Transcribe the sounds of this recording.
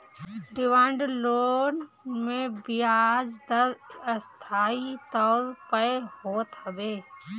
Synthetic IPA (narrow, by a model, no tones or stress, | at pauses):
ɖɪʋãːɳɖloːn | mẽbiad͡ʒd̪əɾəst̪ʰaːit̪əlpəehoːt̪həbeː